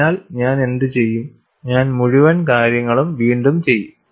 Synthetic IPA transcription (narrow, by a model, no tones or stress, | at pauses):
aːlɲaːne̞nd̪ɨt͡ɕe̞jːum | ɲaːnmuɻuʋɐnkaːɾjɐŋːɐɭumʋiːɳɖumt͡ɕe̞jːum